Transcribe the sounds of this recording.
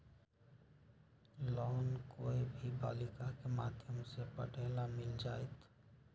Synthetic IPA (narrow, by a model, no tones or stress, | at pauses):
lɔːnkoibʱiba̰ːlikakemad̪ʱjəmsepəʈelamɪld͡ʒajt̪ʰ